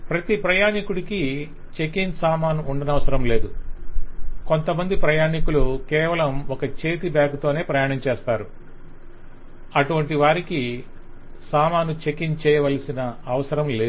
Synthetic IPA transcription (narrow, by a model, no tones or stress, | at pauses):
pɾɐt̪ipɾɐjaːnikuɽiki | t͡ʃe̞kinsaːmaːnuːɳɖɐnɐʋɐsɐɾɐmle̞ːd̪u | ko̞nt̪ɐmɐnd̪ipɾɐjaːɳikulukɛːʋɐlɐmɔkɐt͡ʃe̞ːt̪ibaːkut̪o̞ːne̞ːpɾɐjaːɳɐmt͡ʃɛːst̪aːɾu | ɐʈuʋɐɳʈiʋaːɾiki | saːmaːnut͡ʃe̞kint͡ʃɛːjɐʋɐlɐsinɐːʋɐsɐɾɐmleː